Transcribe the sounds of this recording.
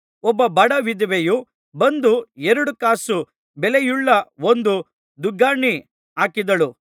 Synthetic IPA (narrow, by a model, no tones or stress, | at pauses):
ɔbːɐbɐɽɐʋid̪ʋeju | bɐnd̪uɛɾɐɽukaːsu | bɛlejuɭːɐond̪u | d̪uɡaːɳi | aːkid̪ɐlu